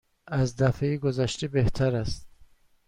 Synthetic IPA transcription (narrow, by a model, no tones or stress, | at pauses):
azd̪afeiɡuzaʃt̪ibeht̪ʰaɾast̪̚